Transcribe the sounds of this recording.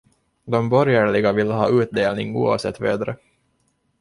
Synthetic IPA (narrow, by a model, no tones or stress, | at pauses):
d̪ɔmbɔɾjəɭɪɡavɪlːəɦɑːʔʉ̟ːt̪̚d̪eːlnɪŋṵːa̰ːvsɛ̰t̪ːvḛːd̪ɾə